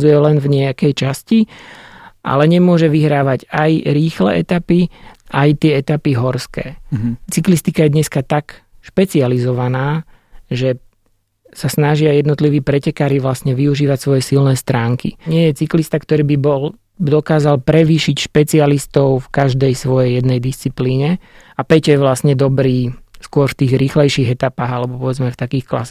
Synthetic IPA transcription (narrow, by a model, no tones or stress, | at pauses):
d͡zujɛlɛnvɲɛakɛjt͡ʃasci | ʔa̰lɛɲɛmʊɔʒɛʋiɦɾaːʋaɟajɾiːxlɛ̰ːʔɛt̪apiʔajt̪ɪɛɛt̪apiɦɔɾskɛːt͡siklist̪ikajɛd̪ɲɛskat̪akʃpɛt͡sializɔʋanaː | ʒɛ | sasnaʒɪajɛd̪nɔt̪liʋiːpɾɛcɛkaːɾiʋlastɲɛʋiuʒiːʋacsʋɔjɛsilnɛːst̪ɾaːŋkḭɲɪɛjɛt͡siklist̪akt̪ɔɾiːbibɔl | d̪ɔkaːzalpɾɛʋiːʃicʃpɛt͡sialist̪ɔʊfkaʒd̪ɛjsʋɔjɛjjɛd̪nɛjd̪ist͡sipliːɲɛ | apɛcjɛʋlasɲɛd̪ɔbɾiːskʊɔɾft̪iːɣɾiːxlɛjʃiːɣɛt̪apaːɣalɛbɔpɔʋɛd͡zmɛft̪akiːxkla̰s